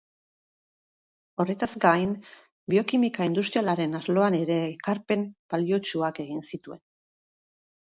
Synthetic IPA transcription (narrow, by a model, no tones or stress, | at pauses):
o̞re̞t̪azɡajn | bio̞kimikaind̪ust̪ɾialaɾe̞nazlo̞ane̞ɾe̞ːkaɾpe̞mb̥alio̞t͡ʃuake̞ɣ̞insit̪ue̞n